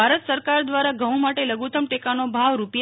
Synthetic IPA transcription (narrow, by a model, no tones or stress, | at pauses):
aɾət̪səɾkaɾd̪ʋaɾaɡə̃w̃maʈeləɡut̪əmʈekanobʱaʋɾupj